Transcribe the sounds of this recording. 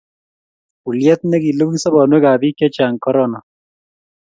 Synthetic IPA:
u˨lja˦t̪̚nɛ˦ki˨lo˦ki˦sɔ˦bɔ˨nwɛ˦kaː˨bi˦kja˦t͡ʃa˨ŋkɔ˦ɾɔna˨

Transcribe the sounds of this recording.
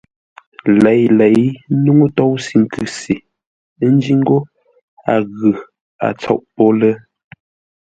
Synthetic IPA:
lɛ˨˦jlɛ˨˦jnu˦ŋu˦tɔ˦wsi˨ŋ̩˨kʉ˨si˨˦ | n˦d͡ʒi˦ŋ̩˦ɡo˦ | a˨ɣʉ˨ | a̰˨t͡sɔ̰˦˨ʔpɔ˦lə˦

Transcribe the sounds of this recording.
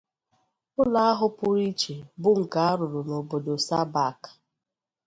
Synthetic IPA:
ʊ˦la˦a˦ɦʊ˦pʊ˦ɾi˦t͡ʃe˨bʊ˦ŋ̩˨ka˨a˦ɾʊ˨ɾʊ˨no˨bo˨do˨sa˦ba˦˨kḁ˨

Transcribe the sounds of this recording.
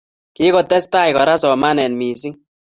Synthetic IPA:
kɪ˦kɔ˨tɛ˦sta˦˨jkɔ˨ɾa˦sɔ˨ma˦nɛ˨nmi˨si˦ŋ

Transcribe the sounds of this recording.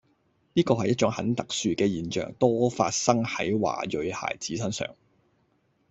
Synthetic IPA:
niː˥kɔː˧hɐ˨jːɐ˥t̚t͡ʃʊ˨˥ŋhɐ˨˥nt̪ɐ˨k̚syː˨kɛː˧jiː˨˩nt͡ʃœ̰ː˨˩ŋt̪ɔː˥faː˧t̚sɐ˥ŋhɐ̰˨˥jwa̰ː˨˩jɵ˨˧ɥha̰ː˨˩jt͡siː˨˥sɐ˥nsœ̰ː˨˩ŋ

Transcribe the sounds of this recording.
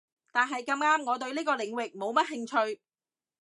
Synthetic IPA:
t̪aː˨˩nɦɐ˨jkɐ˧mŋaː˥mŋɔː˨˧t̪ɵ˧ɥliː˥kɔː˧lɪ˨˩ŋwɪ˨k̚mo˨˧wmɐ˥t̚ɦɪ˧ŋt͡ʃʰɵ˧ɥ

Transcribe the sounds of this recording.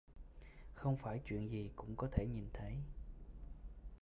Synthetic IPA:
xə˧wŋ͡mfaː˧˩jt͡ɕwḭ˧˨ənzi˨˩kʊ̰˧˥ŋ͡mkɔ˨˦t̪ʰe˧˩ɲi˨˩nt̪ʰə˨˦j

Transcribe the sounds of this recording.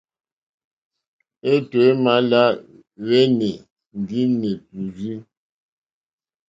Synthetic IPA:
e˦twe˨˦ma˦la˦ | ɣe˦ne˨ | n˨di˦ne˨pu˨zi˦

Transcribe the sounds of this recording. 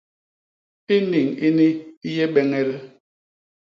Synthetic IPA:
i˦ni˨ŋi˦ni˦i˦je˦ɓɛ˦ŋɛ˦ɾɛ˦

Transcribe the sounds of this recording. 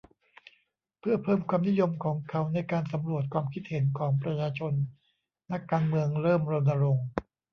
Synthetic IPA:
pʰɯ˥˩ɐpʰɤː˥˩mkʰwaː˧mni˦˥jo˧mkʰɔː˩˦ŋkʰa˨˦wna˧jkaː˧nsa˩˦mɾu˨˩ət̪̚kwaː˧mkʰi˦˥t̪̚he˩˦nkʰɔː˩˦ŋpɾa˧t͡ɕʰaː˧t͡ɕʰo˧nː | a˦˥kːaː˧nmɯ˧əŋɾɤː˥˩mɾo˧nːa˧ɾo˧ŋ

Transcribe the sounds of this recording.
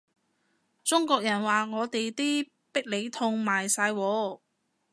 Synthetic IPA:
t͡sʊ˥ŋkɔː˧k̚jɐ˨˩nwaː˨ŋɔː˨˧t̪e˨jt̪iː˥ | pɪ˥k̚le˨˧˥jt̪ʰʊ˧ŋmaː˨˩jsaː˧jwɔː˨˧

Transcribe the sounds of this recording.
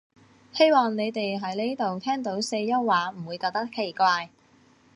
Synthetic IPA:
he˥jmɔː˨ŋne˨˧jt̪e˨jɦɐ˨˥jle˥jt̪o˨wt̪ʰɛː˥ŋt̪o˨˥wse˧jɐ˥wwaː˨˥m̩˨˩wuː˨˧jkɔː˧k̚t̪ɐ˥kʰːe˨˩jkʷaː˧j

